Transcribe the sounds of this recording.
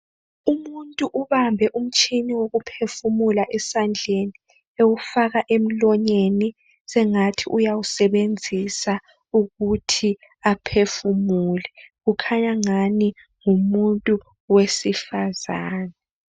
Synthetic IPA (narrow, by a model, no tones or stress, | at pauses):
umuntʼuʔuβambʱɛʔum̩t͡ʃʰʼiniwoɣupʰefumulaʔɛsand͡ɮʱeni | ewufaɣaʔem̩lɔɲeni | sɛŋatʰiʔujawusɛβend͡zʱisa | uɣutʰi | apʰefumulɛɣukʰaɲaŋani | ŋumuntʼu | wesifazaːnɛ